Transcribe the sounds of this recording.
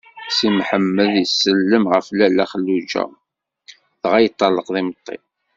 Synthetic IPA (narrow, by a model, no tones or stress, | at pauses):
simħəmːəðəsːəlːəmʁəflælːæχəlːud͡ʒæ̰ | ðʁæjət̪ˤːɑlːəqðimət̪ˤːḭ